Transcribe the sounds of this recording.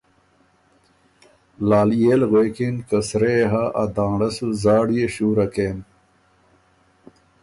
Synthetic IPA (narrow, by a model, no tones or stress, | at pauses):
laːlijeːlɣekinkɐsɾeːɦaʔɐd̪ãːɖɐsuzaːɽjeɕuːɾɐkeːn